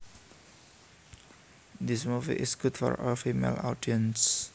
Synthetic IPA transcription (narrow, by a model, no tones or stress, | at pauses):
d̪ismufḭʔɪsɡʊt̪fɔ̰ɹɔlfimḛla̰wdiəns